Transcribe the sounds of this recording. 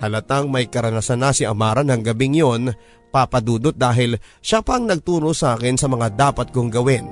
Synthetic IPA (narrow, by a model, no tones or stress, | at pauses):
t̪ɐlɐt̪aŋmɐjkɐɾɐnɐsanasɪʔɐmaːɾɐnɐŋɡɐbɪŋjo̞n | papɐd̪uːd̪ot̪̚d̪aːɦɪlʃapɐŋnɐɡ̚t̪uːɾosɐʔaːkɪnsɐmɐŋad̪aːpɐt̪̚koŋɡɐwɪn